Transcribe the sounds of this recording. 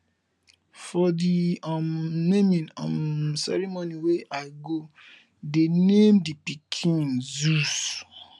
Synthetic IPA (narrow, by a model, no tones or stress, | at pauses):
fɔdiɔmnemĩnɔ̰msɛ̰ɾimoniweʔaɪɡo | denemdipikʰĩnzus